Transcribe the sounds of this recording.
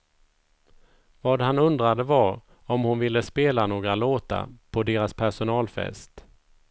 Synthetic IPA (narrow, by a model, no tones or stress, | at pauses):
vɑːd̪ɦanɵnd̪ɾad̪əvaɾ | ɔmhʊnvɪlːəspeːlanoːɡɾaloːt̪a̰pʰɔd̪eːɾaspʰæʂʊnɑːlfɛ̰st̪